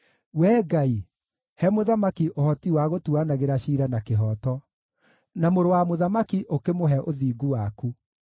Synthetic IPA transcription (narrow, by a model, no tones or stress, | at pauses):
wɛːɡai | hɛmoðamakiʔohɔtiwaɣotuanaɣeɾaɕiːɾanakeɦɔtɔ | namoɾowamoðamakiʔokemoɦɛʔoðiːɡuwaku